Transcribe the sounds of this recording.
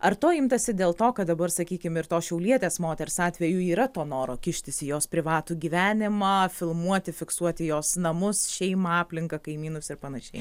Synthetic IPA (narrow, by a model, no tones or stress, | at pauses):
ɐɾt̪oːɪmt̪ɐsʲɪd̪ʲeːlˠt̪oːkɐt̪d̪ɐbɐrsɐkʲiːkʲɪmɪɾt̪oːsʃʲɛʊlʲiɛt̪ʲeːsmoːt̪ʲɛɾʲsɑːt̪ʲʋʲɛjuːiːɾɐt̪oːnoːɾoːkʲɪʃʲt̪ʲɪsʲɪjoːspʲɾʲɪʋɑːt̪uːɡʲiːʋʲæːnʲɪmɑːfʲɪlˠmuɔt̪ʲɪfʲɪksuɔt̪ʲɪjoːsnɐmʊsʃʲɛɪmɐɑːpʲlʲɪŋkɐkɐɪmʲiːnʊsɪɾpɐnɐʃʲɛɪ